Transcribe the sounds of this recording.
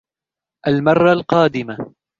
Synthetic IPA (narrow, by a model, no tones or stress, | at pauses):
ʔalmɑrˤːɑlqɑːd̪ɪma